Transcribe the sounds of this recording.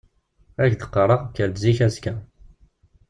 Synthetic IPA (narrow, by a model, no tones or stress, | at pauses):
æçd̪ə̥qːəɾˤɑʁkːəɾd̪ziçæzkæ